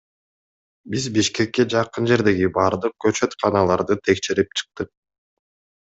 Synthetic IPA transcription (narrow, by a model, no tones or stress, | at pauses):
bizbiʃke̞kːe̞d͡ʒɑqɯnd͡ʒe̞ɾd̪e̞ɡibɑːɾd̪ɯq̚køt͡ʃø̞t̪qʰɑnɑlˠɑɾd̪ɯt̪ʰe̞kʃe̞ɾipt͡ʃʰɯ̥q̚t̪ɯq̚